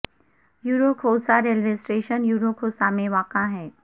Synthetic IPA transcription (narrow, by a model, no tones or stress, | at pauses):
juːɾokʰoːsaɾeld͡ʒɪsʈɾeːʃənjuːɾokʰoːsamẽʋaːqaɦɛː